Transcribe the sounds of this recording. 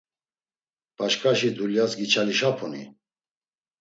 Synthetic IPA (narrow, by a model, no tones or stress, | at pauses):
b̥aʃkʰʼaʃid̪uljasɡit͡ʃʰaliʃapʰɔnḭ